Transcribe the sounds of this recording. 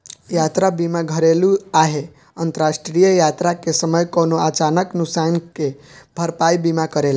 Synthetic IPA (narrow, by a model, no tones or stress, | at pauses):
jat̪ɾabimaɡʱəɾeluaɦe | ənt̪əɾasʈɾijəjat̪ɾakesəməjkonoat͡ʃanəknʊksankebʱəɾpaibimakəɾela